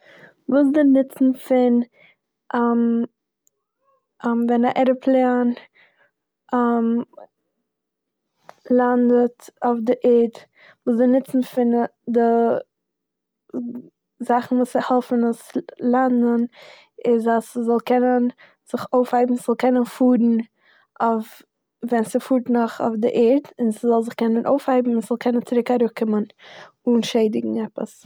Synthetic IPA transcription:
vuːs̬dɪnɪt͡sn̩fɪn | ʔam | mvɛnaʔɛɾəpʰlˠɛan | am | lˠandətofdɪʔeːd | vuːsdɪnɪt͡sn̩fɪndɪ | zaχn̩vuːsɪhɛlˠfn̩aslˠandən | ɪzasɪzɔlˠkɛnən | z̥ɪχoʊfhaɪbm̩sz̥ɔlˠkɛnənfuːɾn̩ | of | vɛnsɪfuːɾtnɔχo̰fdɪʔɛɾtɪnsɪzɔlˠzɪχkɛnənʔoʊfhaɪbm̩ɪsz̥ɔlˠkʰɛnənt͡sɪɾɪkaɾʊkɪmən | unʃeɪdɪɡŋ̩ɛpə̰s

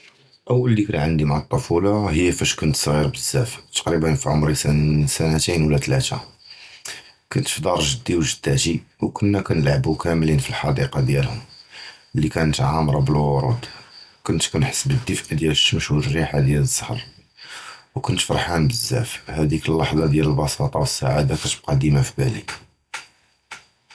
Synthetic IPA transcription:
ʔəwːəlːikænʕənd̪imʕat̪ˤːofulɑɦəjːæfæʃkʊnt̪sˤɣiɾbəzːæft̪ɑ̥qɾibənfiʕʊmɾisænsænæt̪inwlːæt̪læ̰t̪æ̰ | kʊnt̪fid̪ɑɾˤʒəd̪ːiwʒəd̪̥ːæʒiwkʊnːækænəlʕəbukʰæmlinfilħɑd̪iqɑd̪jælhʊm | lːikænət̪ʕamɾˤɑbəlwʊɾˤṵd̪kʊnt̪kunħə̥sːbəd̪ːəfʔd̪jælʃəmʃurːiħad̪jæləzˤːɑhəɾˤ | wkʊnt̪fɑɾˤħænbəzːæ̰fhæd̪ikəlːɑħzˤɑd̪jæləlbɑsɑt̪ˤɑwəsːaʕad̪akæt̪əb̚qɑd̪imafibælḭ

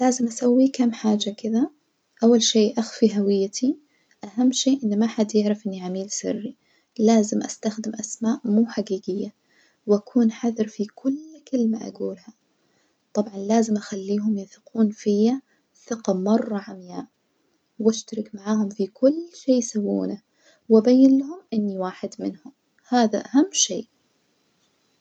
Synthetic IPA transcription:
laːzɪmʔasawːikamːħaːd͡ʒakɪða | ʔawːalʃeːʔaxfiɦawɪjːat̪ʰi | ʔaɦamːʃeːʔɪnːimaħad̪jɪʕɾɪfʔɪnːiʕamiːlsɪ̰rːi | laːzɪmʔa̰st̪axd̪ɪmʔasmaːʔmuːħaɡiːɡɪjːa | wʔakʰuːnħaðɪɾfikʊlkɪlmaʔa̰ɡuːlha | t̪ˤɑbʕɑnlaːzɪmʔaxalːiːɦʊmjɪθquːnfɪjːa | θɪqɑmɑrˤːɑʕamjaːʔ | wʔaʃt̪ɑɾɪkmaʕaːhʊmfikʊlːʃeːjsawːṵːna | wɪbajːɪnlahʊmʔɪnːiwaːħɪd̪mɪnhʊm | haːðaʔaɦamːʃḛːʔ

